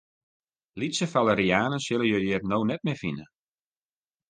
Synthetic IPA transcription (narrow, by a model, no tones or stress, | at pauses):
litsəfaləɾiaːnənsɪləjəjɪːrnoːnɛt̚mɛfinə